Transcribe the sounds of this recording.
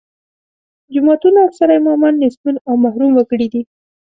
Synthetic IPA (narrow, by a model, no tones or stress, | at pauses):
d͡ʒʊmɑt̪unaaksaɾajmamanːɪsmunawmahɾumwəkəɽid̪i